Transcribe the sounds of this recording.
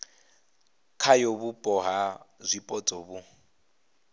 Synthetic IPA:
kʰajobupʼɔɦazʷipʼɔt͡sʼɔbu

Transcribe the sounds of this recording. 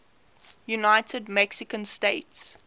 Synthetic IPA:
junaɪtʰədmɛksɪkə̃nsteɪts

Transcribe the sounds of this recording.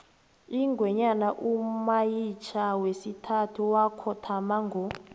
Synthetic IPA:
iŋɡʱwɛɲanaʔumajit͡ʃʰawesitʰatʰuwakʰɔtʰamaŋɡʱɔ

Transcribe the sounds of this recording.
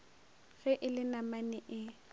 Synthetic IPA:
ɣɛʔɪlɪnamanɪʔɪ

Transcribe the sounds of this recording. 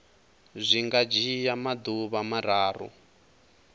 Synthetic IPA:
zʷiŋɡad͡ʒijamad̪uβamaɾaːrṵ

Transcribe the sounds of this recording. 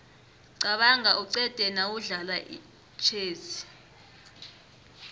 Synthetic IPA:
ǀaɓaŋaʔuǀɛd̥ʼʱɛnawuɮalaʔḭ | t͡ʃʰeːzi̥

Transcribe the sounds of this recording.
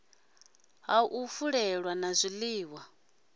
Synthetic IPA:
ɦauʔufuɺɛɺwanazʷiliːwa

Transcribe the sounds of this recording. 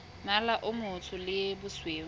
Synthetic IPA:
nalaʔʊmʊtʰʊlɪbʊsweː

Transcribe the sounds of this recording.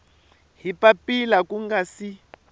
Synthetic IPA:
ɦipapilakuŋɡasi

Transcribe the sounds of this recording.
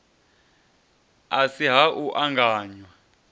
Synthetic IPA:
asiɦaʔuʔaŋɡaːɲwa

